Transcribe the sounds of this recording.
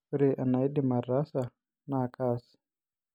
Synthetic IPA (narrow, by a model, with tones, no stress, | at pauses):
ɾe˨ʔa˨na˨i˦di˦˨ma˨ra˦sa˨ | na˦˨ka˦si̥